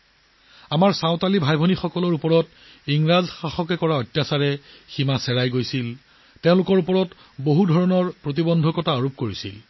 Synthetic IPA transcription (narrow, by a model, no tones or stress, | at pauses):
amaɹsaʊ̃talibʱajbʱonixɔkɔlɔɹupɔɹɔt | iŋɹazxaxɔkɛkɔɹaɔtːjasaɹɛ | ximasɛɹajɡojsil | teʊ̃lʊkɔɹupɔɹɔt | boɦudʱɔɹɔnɔɹpɹot̬ibɔndʱɔkɔtaɔɹup̚koɹisḭl